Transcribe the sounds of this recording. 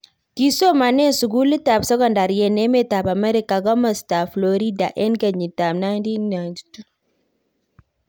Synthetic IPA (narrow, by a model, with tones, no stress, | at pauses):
ki˦so˦ma˨ne˦nsu˨ɡu˦li˦ta˨bsɔ˦ɡɔ˦˨nda˨ɾjɛ˨ne˦me˦ta˨ba˨me˦ɾi˦ka˨ɡɔ˦ma˨sta˨flo˨ɾi˦da˨ʔɛ˦nɡa˨ɲi˨ta˨mna˦ndi˦na˨ndi˨tu˦